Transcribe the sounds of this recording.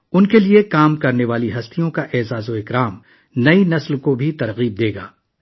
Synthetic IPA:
ʊnkeliekaːmkɐɾneʋaːliɦɐst̪ʰijõkaʔɛːzaːzoɪkɾaːm | nɐinɐslkobʱit̪ɐɾɣiːb̚d̪eːɡa̰ː

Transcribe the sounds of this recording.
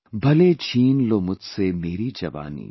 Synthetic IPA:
bʱɐlet͡ʃiːnloːmʊd͡ʒʱsemeːɾid͡ʒɐʋa̰ːnḭː

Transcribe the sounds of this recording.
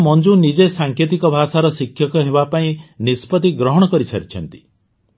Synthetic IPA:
mɔnd͡ʒunid͡ʒesaŋkʰet̪ikɔbʱasaɾɔsikʰjɔkɔɦebapaĩnispɔt̪iɡɾɔɦɔɽ̃ɔkɔɾisa̰ɾit͡ʃʰɔnt̪i̥

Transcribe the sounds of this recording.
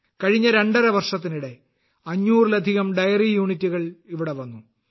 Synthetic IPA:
kɐɻiɲːɐɾe̞ɳɖɐɾɐʋɐrʂɐt̪̬ːiniɽe̞ | ɐɲːuːrilɐd̪ʱiɣɐmɖɐjɐrijuːɳitːuɣɐɭiʋiɽe̞ʋɐnːu

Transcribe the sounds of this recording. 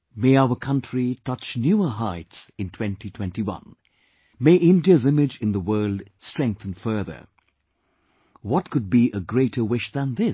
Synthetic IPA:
meɪaʊəkʰʌ̃ntʰɹ̥itʰʌt͡ʃnjuəɦaɪtsɨ̃ntʰw̥ɛ̃ntitʰw̥ɛ̃ntiwʌ̰̃n | meɪʔɪ̃ndiəzɪmɪd͡ʒɨ̃nðəwɜ˞ldstɹ̥ɛ̃ŋk̚θə̃n̩fɜ˞ðə̰˞ | wɔt̚kʊd̚biʔəɡɹeɪɾə˞wɪʃðə̃nðɪ

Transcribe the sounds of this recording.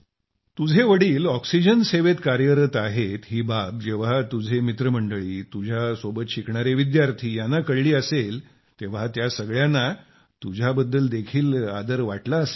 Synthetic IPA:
t̪ud͡zʱeʋəɽiːlɔksid͡ʑənseʋet̪kaɾjəɾət̪aɦet̪ɦiːbap̚d͡ʑeʋ̤at̪ud͡zʱemit̪ɾəm̤əɳɖəɭiːt̪ud͡ʑʱjasobət̪ɕikɳaɾeʋid̪jaɾt̪ʰiːjanːakəɽliːəsel | t̪eʋ̤at̪jasəɡɭjanːa | t̪ud͡ʑʱabəd̪ːəld̪ekʰiːla̰d̪əɾʋaʈlaəse̥

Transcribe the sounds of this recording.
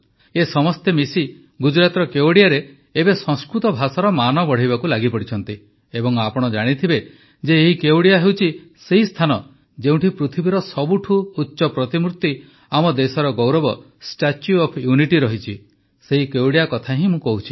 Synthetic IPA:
esɔmɔst̪emisi | ɡud͡ʒɾat̪ɾɔkewɽijaɾe | ebesɔ̃ŋskɾut̪ɔbʱasɔɾɔmanɔbɔɽ̤ajbakulaɡipɔɽit͡ʃʰɔn̪t̪i | ebɔŋapɔɽ̃ɔd͡ʒaɽ̃it̪ʰibe | d͡ʒeːɦikewɽijaɦewt͡ʃʰiseɦist̪ʰanɔ | d͡ʒeũʈipɾut̪ʰibiɾɔsɔbuʈʰuːtːʃɔpɾɔt̪imuɾt̪i | amɔd̪esɔɾɔɡɔwɾɔbɔ | sʈat͡ʃjuɔpʰjuniʈiɾɔɦit͡ʃʰi | seɦikewɽijakɔt̪ʰaɦĩmũkɔɦut͡ʃʰi

